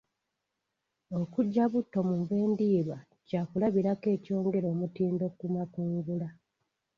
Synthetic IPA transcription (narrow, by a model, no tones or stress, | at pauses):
o̞kuɟːaβutːo̞muɱve̞ːndiːβwa | caːkulaβiɾake̞ːco̞ːŋɡe̞ɾo̞ːmutiːndo̞kumakuːŋɡula